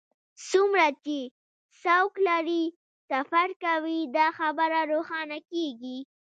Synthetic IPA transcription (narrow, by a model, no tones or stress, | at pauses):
sumɾat͡ʃe | sawklaɾi | safaɾkawid̪ɑxabəɾaɾoxɑnakeɡi